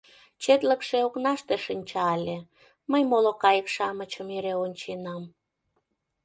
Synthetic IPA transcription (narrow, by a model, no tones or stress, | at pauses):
t͡ɕet̪ləkʃeoknɑʃt̪eʃinʲt͡ɕɑlʲe | məjmolokɑjəkʃɑmət͡ɕəmeɾeonʲt͡ɕenɑm